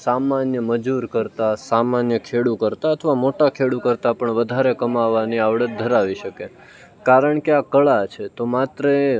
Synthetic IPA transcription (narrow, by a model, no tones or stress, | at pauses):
samanjəməd͡ʒuɾkəɾt̪asamanjəkʰeɽukəɾt̪aət̪ʰəʋamoʈakʰeɽukəɾt̪apəɳʋəd̪ʱaɾekəmaʋːaniaʋɽəd̪ʱəɾaʋiʃəke | kaɾəɳkeakəɭat͡ʃʰet̪omat̪ɾə